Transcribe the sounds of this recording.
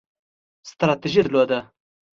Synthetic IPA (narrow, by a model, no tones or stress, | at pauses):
st̪ɾat̪iʒid̪lod̪ə